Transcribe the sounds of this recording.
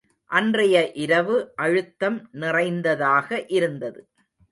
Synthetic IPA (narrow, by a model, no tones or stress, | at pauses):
ʔɐndrɐjɐʔɪɾɐʋɯʔɐɻɯt̪ːɐmnɪrɐɪnd̪ɐðaːɣɐʔɪɾɯnd̪ɐðɯ